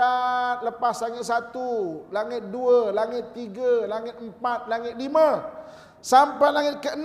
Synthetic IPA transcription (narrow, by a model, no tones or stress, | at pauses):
at̪̚ləpaslaŋɪt̪̚sat̪ulaŋɪt̪̚duəlaŋɪt̪ːiɡaəlaŋɪt̪̚əmpat̪̚laŋɪt̪̚limã | sampajlaŋɪt̪̚kəən